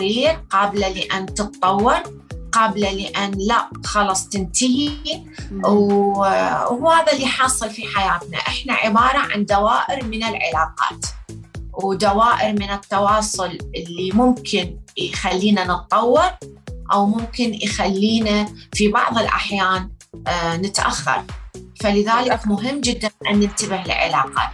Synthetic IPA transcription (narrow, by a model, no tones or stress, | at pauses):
iːɾqɑːblaliʔant̪ɨt̪ˤtˤːɑwːɪɾˤ | qɑːblalɪʔanːlaʔxɑlɑsˤt̪ɪnt̪ɪhi | w | wuhaːðalːiħɑːsˤɨlfiħajaːt̪na̰ʔɪħna̰ʕɪbɑːɾˤɑʕa̰nd̪awaːʔɪɾmɪnɪlʕɪ̰laːqɑ̰ːt̪ | wd̪awaːʔɪɾmɪnɪt̪ːɑwɑːsˤʊlʔɪlːimʊmkʰɪnjxalːiːnanɨt̪ˤːɑwːɪɾʔawmʊmkɪnjxalːiːnafibɑ̰ʕðˤɪlʔa̰ħjaːnː | ɪt̪ʔaxːɑ̰ɾˤfalɪðaːlɪkmʊɦɪmːd͡ʒɪd̪ːanʔanːɪnt̪abɪhɪlʕɪ̰laːqɑ̰ː